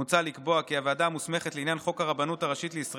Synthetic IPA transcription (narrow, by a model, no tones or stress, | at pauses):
ut͡salikbo̞akiavaːdamusme̞χetleinjanχo̞kaʁabanutaʁaʃit̪leisʁ